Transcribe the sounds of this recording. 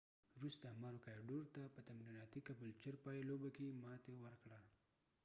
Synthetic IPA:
ɾust̪amaɾokajɖoɾt̪apət̪amɾinat̪ikabəlt͡ʃəɾpajlobakemɑt̪ewəɾkɽa

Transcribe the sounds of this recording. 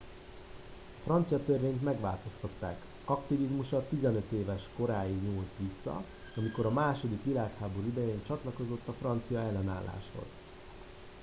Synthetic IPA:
ɒfrɒnt̪sijɒt̪ørveːɲt̪mɛɡʋa̰ːlt̪o̞st̪ɒt̪ːaːk | ɒkt̪ivizmuʃɒt̪ːizɛnø̞t̪eːvɛʃko̞ɾaːjiɡɲuːlt̪ʋisːɒ̰ | ɒmiko̞ɾɒmaːʃo̞d̪ikʋilaːkhaːbo̞ɾuid̪ɛjeːnt͡ʃɒt̪lɒko̞zo̞t̪ːɒfrɒnt̪sijɒɛlːɛna̰ːlːa̰ːʃho̞̰z̥

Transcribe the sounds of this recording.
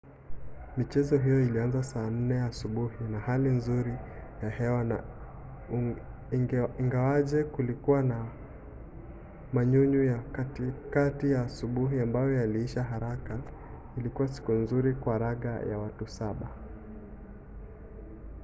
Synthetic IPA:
mit͡ʃɛzɔɦijɔilianzasaːn̩nɛasuɓuhinahalinzuɾijahɛwana̰ | iŋɡawaʄɛkulikuwana | maɲuɲujakatijaːsuɓuɦiambajɔaliiʃaɦaɾaka | ilikuwasi̥kunzuɾikwaːɾaɠa̰ja̰watusaɓa

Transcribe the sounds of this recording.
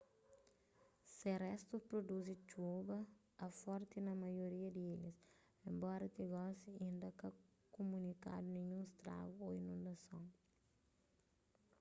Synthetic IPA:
serɛst̪upɾod̪uzit͡ʃubɐː | fɔɾt̪inɐmɐjoɾiɐd̪ieʎis | ẽmbɔɾɐt̪iɡɔsiĩnd̪ɐka | komunika̰d̪unẽɲũst̪ɾa̰vuoinũnd̪ɐsõŋ

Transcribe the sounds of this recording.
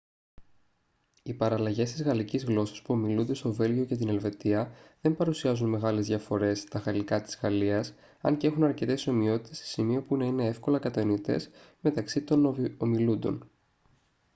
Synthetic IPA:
ipɐɾɐlɐʝe̞st̪izɣɐlicizɣlo̞sɐ̥spuo̞milund̪e̞st̪o̞ve̞lʝio̞ce̞t̪ine̞lve̞t̪iɐðe̞mpɐɾusiɐzunme̞ɣɐle̞zðʝjɐfo̞ɾe̞st̪ɐɣɐlikɐt̪i̥zɣɐliɐs | ɐ̰ɲcee̞xunɐɾce̞t̪eso̞mio̞t̪i̥t̪e̞se̥simio̞punɐine̞e̞fko̞lɐkɐt̪ɐnit̪e̞̰sme̞t̪ɐksit̪o̞nomilund̪o̞̰n

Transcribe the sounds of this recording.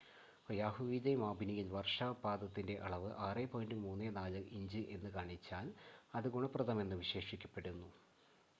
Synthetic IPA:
jaːɦuʋiːdejmaːbinijilʋɐrʂaːbaːd̪ɐt̪ːinde̞ʔɐɭɐʋɨʔaːrepoːjindɨmuːnːeːnaːlɨʔiɲd͡ʑɨʔe̞nːɨkaːɳit͡ɕːaːlɐðɨɡuɳɐprɐðɐme̞nːɨʋiɕe̞ːʂikʲːɐpːe̞ɽunːu

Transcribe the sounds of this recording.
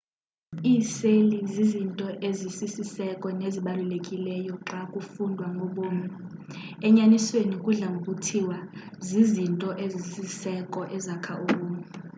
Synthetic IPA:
iːselizizintʼɔʔezisisisɛkʼɔneziɓalulekʼilɛjɔǁakʼufundʱwaŋɡʱɔɓoːmɛ | ɛɲaniswenikʼuɮaŋok̬ʼutʰiwa | zizintʼɔʔezisisɛkʼɔʔɛzakʰaʔuɓoːmɛ

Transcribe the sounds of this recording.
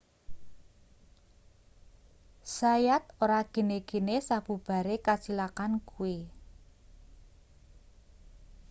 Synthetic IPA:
sajat̪oɾaɡ̥ə̤neɡ̥e̤nesab̥ṳb̥a̤ɾekat͡ʃilakankuwe

